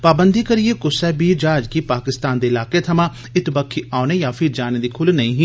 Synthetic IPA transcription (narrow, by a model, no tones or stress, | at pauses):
paːbənd̪ikəɾiekʊsɛːbiːd͡ʒaːd͡ʒkipaːkɪst̪aːnd̪eːɪlaːket̪ʰɐmãː | ɪt̪bəkʰːiaːnejaːfʰɪɾd͡ʒaːned̪iːkʰʊlnɐĩːɦĩː